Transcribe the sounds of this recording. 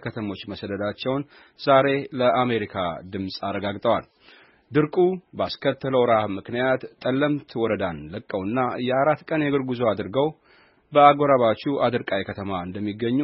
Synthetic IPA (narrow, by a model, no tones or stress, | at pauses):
kʰət̪ʰəmo̞t͡ʃːməsəd̪əd̪at͡ʃːɛwn | z̥aɾe̞ləʔame̞ɾikʰa̰d̪ɨmsʼarːəɡaɡt̪ʼəwal | d̪ɨɾkʼubəaskʰət̪ːələwɾahmɨknijat̪ʼːəlːəmt̪ʰwɔɾəd̪anləkʼːəwɨnːajɛaɾat̪ːkʼənjɛɡɨɾɡuzo̞ad̪ɾɡəw | bəaɡoɾaβat͡ʃːuʔad̪ɨɾkʼajkʰət̪ʰəmaɨnd̪əmːiɡːəɲːu